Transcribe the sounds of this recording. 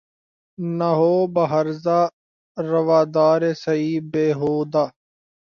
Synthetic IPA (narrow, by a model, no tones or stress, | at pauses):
naɦoːbəɦəɾzaː | ɾəʋaːd̪aːɾeːsəiːbeːɦoːd̪aː